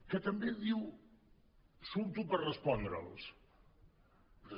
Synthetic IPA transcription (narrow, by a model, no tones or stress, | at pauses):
kət̪əmbeðiw | sumt̪upərrəspɔnd̪ɾə̰lˠs